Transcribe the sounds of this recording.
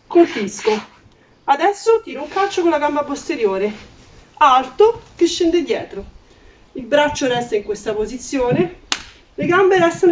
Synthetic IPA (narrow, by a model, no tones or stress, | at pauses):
kolpisko | ad̪ɛsːot̪iːɾouŋkalt͡ʃːokonlaɡambapost̪eɾjoːɾe | alt̪okeʃːend̪ed̪jɛːt̪ɾo | ilbɾat͡ʃːoɾɛst̪aiŋkwest̪apozit̪sːjoːne | leɡambeɾɛst̪an